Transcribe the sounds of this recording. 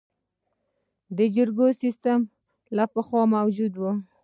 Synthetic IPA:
d̪əd͡ʒəɾɡosist̪am | lapəxwɑmawd͡ʒud̪wu

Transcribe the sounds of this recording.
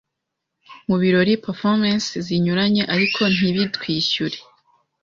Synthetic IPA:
muβiɾo̞ɾipefomansziɲuɾaɲe̞ʔaɾikʰo̞n̥iβitwiːɕuɾe̞

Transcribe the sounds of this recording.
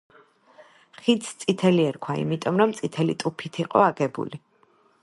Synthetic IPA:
χit̪st̪sʼit̪ʰɛliɛɾkʰwaḭmit̪ʼɔmɾɔmt̪sʼit̪ʰɛlḭt̪ʼupʰit̪ʰiqʼɔaɡɛbṵli

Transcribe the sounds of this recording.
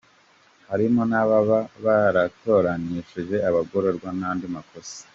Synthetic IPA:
haɾimonaβaβaβaɾato̞ɾaniːʃiʒe̞aβaɡo̞ɾo̞ɾɡwanaːndimakʰo̞si̥

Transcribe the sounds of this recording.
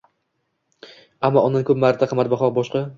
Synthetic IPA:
amːɒɒnd̪ankʰʊpmaɾt̪ʰaqʰɨmat̪̚baχɒqbɒʃqɑ

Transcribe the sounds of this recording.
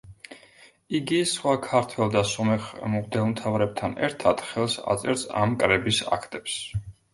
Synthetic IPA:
iɡisχwakʰaɾt̪ʰwɛlˠd̪asɔmɛχmʁd̪ɛmt̪ʰavɾɛb̚t̪ʰanɛ̰ɾt̪ʰad̪̥χɛlˠsa̰t̪sʼɛɾsa̰mkʼɾɛbisa̰kʰt̪ʼɛps

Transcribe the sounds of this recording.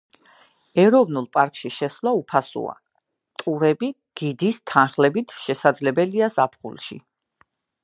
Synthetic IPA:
ɛɾɔvnulˠpʼaɾkʼʃiʃɛslˠaupʰasṵa̰ | t̪ʼuɾɛbi | ɡ̥id̪ist̪ʰanχlɛbit̪ʰʃɛsad̪zlɛbɛliazapʰχṵlˠʃḭ

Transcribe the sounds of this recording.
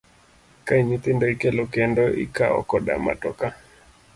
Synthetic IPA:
kaiɲit̪ɪndɔikɛlɔkɛndɔʔḭkaɔ̰kɔda̰ma̰tɔka

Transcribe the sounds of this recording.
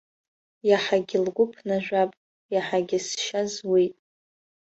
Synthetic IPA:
jaħaɡʲɪlɡʷʊpʰnaʒᶣʷapʼ | jaħaɡʲɪsʃazwijtʼ

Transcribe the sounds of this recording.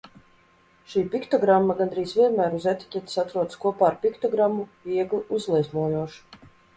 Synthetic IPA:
ʃiːpʲikt̪ɔɡɾamːaɡand̪ɾiːsvʲiɛnmæːɾuzet̪i̥cʲɛt̪i̥sat̪ɾuɔt̪skuɔpaːɾpʲikt̪ɔɡɾamːuviɛɡliuzlˠizmuɔjuɔʃu̥

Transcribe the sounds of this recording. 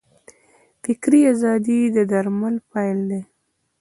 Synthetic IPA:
fɪkɾiazɑd̪id̪əd̪aɾmalpajld̪e

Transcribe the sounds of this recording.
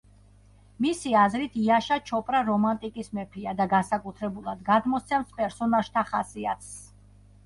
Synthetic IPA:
misiazɾit̪ʰiaʃat͡ʃʰɔpʼɾaɾɔmant̪ʼikʼismɛpʰiad̪aɡasakʼut̪ʰɾɛbulˠad̪ɡad̪mɔt̪sʰɛmspʼɛɾsɔnaʒ̥t̪ʰaχasiat̪s

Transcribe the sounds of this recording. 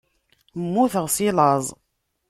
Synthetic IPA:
mːuθəʁsilɑzˤ

